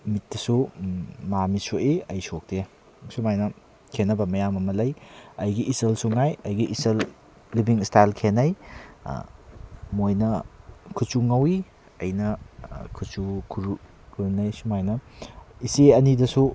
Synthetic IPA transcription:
mit̚dɐsumamisoʔiɐjsok̚te | sumajnɐ | kʰenɐbɐmɐjamɐmɐlɐjɐjɡiʔːselsuŋajɐjɡiʔiselː | ibiŋistajlkʰenɐj̰ | mojnɐkʰut͡ʃuŋɐwi | ɐ̰jnɐkʰut͡ʃukʰuɾ | kʰuɾnɐjsumajnɐiseɐnidɐsu

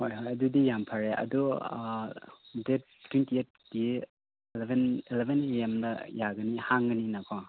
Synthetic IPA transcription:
hojɦojɐdudijampʰɐɾeɐ̰du | det̚ | tʰːwintiet̚ | di | lebenilebʱeneemdɐjaɡɐnihaŋɡɐninakʰo

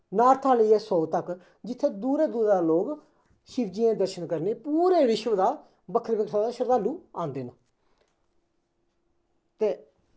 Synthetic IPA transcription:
naːɾt̪ʰaːləiɛːsɔːt̪ək | d͡ʒɪt̪ʰːeːd̪uːɾeːd̪uːɾaːloːɡ | ʃɪbd͡ʒijẽːd̪əɾʃənkəɾneːpuːɾeːɾɪʃʋd̪aː | bəkʰːəɾbɪkʰaːd̪aːʃəɾd̪aːluːãːnd̪eːna | t̪eː

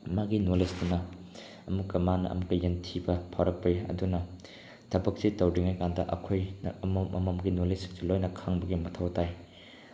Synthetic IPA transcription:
maɡinolesdunɐ | ɐmukːɐmanɐ̰ʔɐ̰mukːɐjentʰibɐpʰawɾɐk̚pɐiɐ̰dunɐ | tʰɐbɐk̚sitɐwɾiŋajkandɐʔɐ̰kʰojnmmʔɐ̰mɐmɡinolesiŋzilojnɐkʰaŋbɐɡimɐtʰɐwtaj

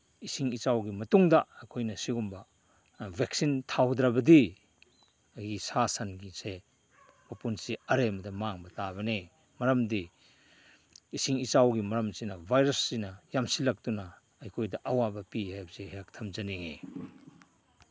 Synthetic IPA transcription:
isiŋit͡ʃawɡimɐtuŋdɐɐkʰojnɐsiɡumbɐ | bʱek̚sintʰawdɾɐbɐdi | ɐɡisasɐnɡise | m̥ɐpunsiɐɾemɐdɐmaŋbɐtaβɐne | mɐɾɐmdi | isiŋit͡ʃawɡimɐɾɐmsinɐbʱajɾɐsːinɐjamsilɐk̚tunɐː | jkʰojdɐʔɐwabɐpihajbɐseheak̚tʰɐmzɐniŋe

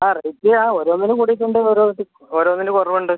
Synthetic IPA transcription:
aːreitːiaːoːɾoːnːinɨkuɽiʈːuɳɖɨoːɾoːʈːɨ | oːɾoːnːinɨkorɐʋuɳɖɨ

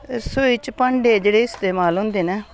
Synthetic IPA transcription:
sʊiːt͡ʃpəɳɖeːd͡ʒeːɽeːɪst̪eːmaːlɦʊ̃ːnd̪eːnɛː

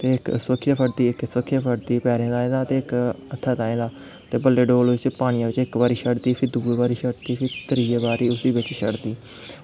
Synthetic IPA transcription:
t̪eːɪksəkʰɪjaːpʰəʈt̪iːɪksəkʰːijaːpʰəʈt̪iːpɛːɾẽːd̪aːẽd̪aːt̪eːɪk | ət̪ʰːaːt̪aːẽːd̪aː | t̪eːbəlːeːɖoːlɪt͡ʃpaːɽ̃ijãːʋɪt͡ʃɪkbaːɾiːʃəɽd̪iːpʰɪɾd̪uːeːbaːɾiːʃəɽd̪iːpʰɪɾt̪əɾiːeːbaːɾiːʊsiːbɪt͡ʃʃəɽd̪iː

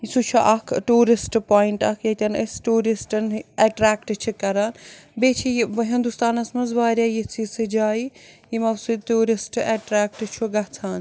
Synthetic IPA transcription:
isut͡ʃʰuʔɐkʰʈuːɾisʈpoːjiɳʈɐkʰjɐt̪ʲɐnɐsʈuːɾisʈɐnɛʈɾaːkʈt͡ʃʰikɐɾaːnbeːt͡ʃʰijʋɐɦind̪ust̪aːnɐsmɐnzbaːɾjaːjit͡sʰisɨd͡ʒaːijimɐsut̪uːɾisʈɛʈɾaːk̚ʈt͡ʃʰuɡɐt͡sʰaːn

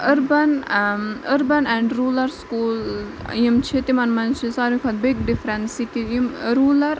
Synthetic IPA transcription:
əɾbɐn | əɾbɐnɛ̃ɳɖɾuːlɐɾskuːl | jimt͡ʃʰit̪imɐnmɐnt͡ʃʰisaːɾmikʰɐt̪̚biɡɖifɾɛnsikijimɾuːlɐɾ

